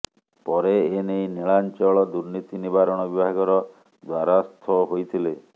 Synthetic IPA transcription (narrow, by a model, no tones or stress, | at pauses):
pɔɾeːnejneɭant͡ʃɔɭɔd̪uɾnit̪inibaɾɔɽ̃ɔbibʱaɡɔɾɔ | d̪waɾast̪ʰɔɦojt̪ʰile